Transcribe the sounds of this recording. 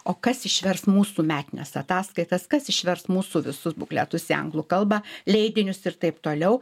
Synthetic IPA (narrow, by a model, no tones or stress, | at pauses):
oːkɐsɪʃʲʋʲɛrsmuːsuːmʲæːt̪ʲɪnʲɛ̰sɐt̪ɑːskɐɪt̪ɐskɐsɪʃʲʋʲɛrsmuːsuːʋʲɪsʊsbʊklʲɛ̰t̪ʊsɪɐ̰ŋɡlˠʊkɐlˠbɑːlʲɛɪd̪ʲɪnʲʊsɪɾt̪ɐɪpt̪oːlʲɛʊ